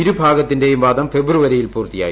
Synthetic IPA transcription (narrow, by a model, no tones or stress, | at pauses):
ɪɾɯbʱaːɣɐt̪ːɪndeːjɯmbaːðɐmfɛbɪɾɯʋɐɾɐjɪlpuːɾt̪ɪja̰ː